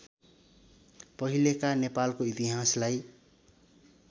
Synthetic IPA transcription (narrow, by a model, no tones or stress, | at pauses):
pʌɦilekanepalkoit̪iɦaslaj